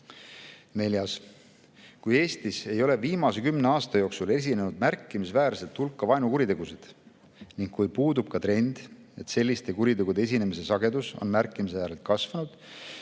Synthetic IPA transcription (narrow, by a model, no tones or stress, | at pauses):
ne̞ljɑs | kuje̞ːst̪ise̞jo̞le̞viːmɑse̞kymne̞ɑːst̪ɑjo̞ːksule̞s̬ʲine̞nud̪̥̚mærkːˑimisvæːɾset̪hulkːˑɑvɑjnukuɾit̪e̞ɡ̥used̪̥ | niŋkkujpuːd̪ub̥̚kɑt̪re̞nʲd̪̥ | e̞t̪se̞lʲːist̪e̞kuɾit̪e̞ɡ̥ud̪ees̬ine̞mise̞sɑɡ̥e̞d̪uso̞̰nmærkːˑimisvæːɾelt̪̚kɑsvɑnud̪̥